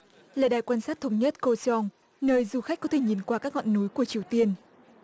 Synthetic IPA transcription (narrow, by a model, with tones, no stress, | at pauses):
laː˨˩ɗaː˨˩jkwaː˧nsaː˦˥t̚t̪ʰə˧wŋ͡mɲə˦˥t̚ko˧sɔ˧ŋ | nəː˧˨jzu˨˩xa˦˥k̟kɔ˨˦t̪ʰe˧˩ɲi˨˩nkwaː˧kaː˦˥k̚ŋɔ̰˧˨nːu˨˦jku˧˩ət͡ɕi˨˩əwt̪i˧ən